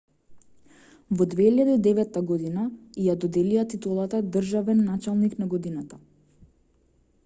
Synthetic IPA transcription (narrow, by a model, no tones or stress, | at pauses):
vɔd̪vɛiʎad̪iːd̪ɛvɛt̪ːaɡɔd̪inajad̪ɔd̪ɛliat̪it̪ulˠat̪ad̪r̩ʒavɛnːat͡ʃalˠniknaɡɔd̪inat̪a